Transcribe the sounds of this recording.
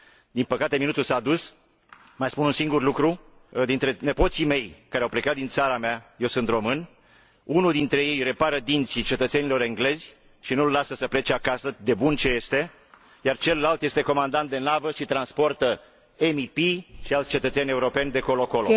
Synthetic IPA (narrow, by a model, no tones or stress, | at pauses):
d̪inpəkat̪e̞minut̪ulsaːd̪us | majspununsiŋɡurlukɾud̪int̪ɾe̞ne̞po̞t̪sime̞jkaɾeawple̞kat̪̚d̪int̪saɾameaje̞wsɨnt̪ro̞mɨn | unud̪int̪ɾe̞je̞jre̞paɾəd̪int̪sit͡ʃe̞t̪ət̪se̞nilo̞ɾe̞ŋɡle̞zʲ | ʃinulːasəsəple̞t͡ʃeakasəd̪e̞bunt͡ʃe̞je̞st̪e̞ | jart͡ʃe̞lːalt̪je̞st̪e̞ko̞mand̪ant̪̚d̪e̞navəʃit̪ɾanspo̞rt̪ə | emipiʃialt̪sʲt͡ʃe̞t̪ət̪se̞nʲe̞uɾo̞pe̞nʲd̪e̞ko̞loko̞l